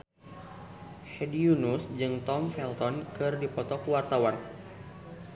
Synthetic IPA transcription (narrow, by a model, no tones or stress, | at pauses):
hɛdiunusd͡ʒɨŋt̪ɔmfɛlt̪ɔnkɨrdipɔt̪ɔkuwart̪awan